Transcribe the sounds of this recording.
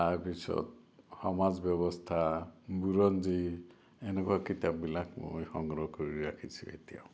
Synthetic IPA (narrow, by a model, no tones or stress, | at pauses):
aɾpisʰɔ̰t̪ | hɔmad͡ʒbjɔβɔst̪ʰabuɾɔnd͡ʒi | enekuakit̪abbilakmṵjhɔŋɡɾɔkɔɾiɾakʰit͡ʃʰiḛt̪iã̰